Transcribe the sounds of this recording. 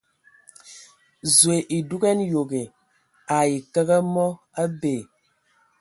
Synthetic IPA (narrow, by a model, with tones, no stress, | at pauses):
zwe˨ʔi˨du˦ɡɛ˦njo˨ɡe˨ | a˨i˨kə˦ɣə˦mɔ˦ | a˦be˨